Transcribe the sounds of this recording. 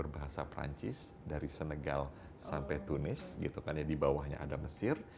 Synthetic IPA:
ərbaɦasapɾa̰ɲt͡ʃɪs | daɾisənəɡa̰l | sampɛjt̪unɪsɡit̪ukarɲadibawahɲa̰ʔadaməsɪr

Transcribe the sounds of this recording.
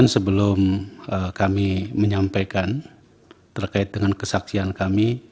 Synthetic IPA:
nsəbəlʊməkamiməɲampajkan | t̪ərkaɪt̪̚dəŋankəsaksiankami

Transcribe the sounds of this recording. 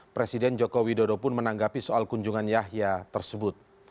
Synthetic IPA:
pɾesidɛnd͡ʒokowidodopʊnmənaŋɡapisoalkuɲd͡ʒuŋanjaɦjat̪ərsəbʊt̪̚

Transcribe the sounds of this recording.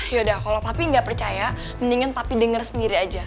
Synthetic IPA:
jodahkalawpapiəŋɡaʔpərt͡ʃaja | məniŋənpapidəŋərsəndiɾiad͡ʒa

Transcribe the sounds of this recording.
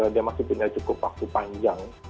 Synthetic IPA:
adiamasɪhpuɲat͡ʃukʊpwak̚t̪upaɲd͡ʒaŋ

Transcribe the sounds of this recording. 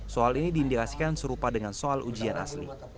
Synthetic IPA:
soalinidiːndikasi̥kansəɾupadəŋansoalʔud͡ʒiana̰slḭ

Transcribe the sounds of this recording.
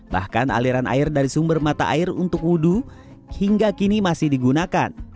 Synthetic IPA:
ba̰hkana̰liɾanʔa̰ɪrdaɾisumbərmat̪a̰ʔaɪrunt̪ʊkudu | hiŋɡakinimasɪhdiɡunakan

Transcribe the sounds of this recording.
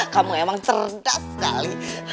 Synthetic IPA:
kamuemaŋt̪ərdasəka̰li

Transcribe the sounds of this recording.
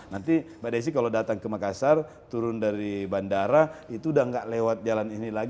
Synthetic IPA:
nant̪ibadajs̬ikalodat̪aŋkəmakasar | t̪uɾʊndaɾibandaɾait̪udaŋɡaʔlewat̪̚d͡ʒalaninilaɡ

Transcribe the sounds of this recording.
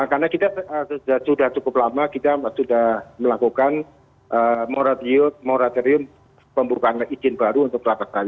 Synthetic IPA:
karnakit̪aəsd͡ʒasudaht͡ʃukʊp̚lamakit̪asudahməlakukan | ʔəmoɾat̪iʊt̪̚moɾat̪oɾiʊm | pəmbukaanlaid͡ʒɪnbaɾuunt̪ʊklapastaja

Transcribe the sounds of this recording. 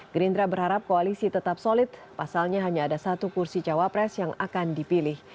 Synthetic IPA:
ɡɾind̪ɾabərhaɾap̚koalisit̪ət̪apsolɪt̪̚ | pasalɲaɦaɲaːdasat̪ukursit͡ʃawapɾɛsjaŋakandipilɪh

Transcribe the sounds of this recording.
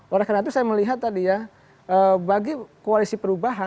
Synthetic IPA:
ʔoɾahkaɾaŋit̪̬usajaməliɦat̪ːadija | əbaɡikoalisipəɾubaɦa

